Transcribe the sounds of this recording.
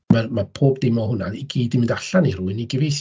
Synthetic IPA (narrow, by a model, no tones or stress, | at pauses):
marmapʰoːbdɪmɔɦʊnaniɡiːdɪmɪndaɬaniɾuɨniɡəvejs